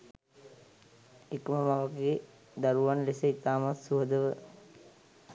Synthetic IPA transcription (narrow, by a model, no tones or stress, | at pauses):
ekəməmaʋəkeː | d̪aɾuʋanlesəit̪aːmat̪suɦəd̪əʋə